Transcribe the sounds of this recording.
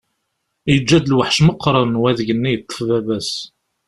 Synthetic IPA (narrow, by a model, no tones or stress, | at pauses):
jəd͡ʒːæd̪əlwəħʃməqːɾˤənwæðʝənːijət̪ˤːə̥fvævæs